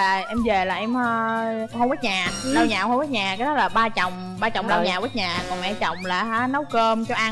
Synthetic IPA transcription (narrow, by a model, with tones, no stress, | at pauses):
aː˨˩ʔɛ˧mve˨˩laː˨˩ʔɛ˧mː˧hə˧wɓə˦˥t̚ɲaː˨˩lə˧ɲaː˨˩˨whə˧wə˦˥ɲaː˨˩kaː˨˦jɗɔ˨˦˥laː˨˩ɓaː˧t͡ɕɔ˨˩wŋ͡m | ɓaː˧t͡ɕɔ˨˩wŋ͡mla˧ɲaː˨˩wəː˨˦˥t̚ɲaː˨˩kɔ˨˩nmɛ̰˧˥t͡ɕɔ˨˩wŋ͡mlaː˨˩ɦaː˨˦nə˨˦wkəː˧mt͡ɕɔ˧ʔa˧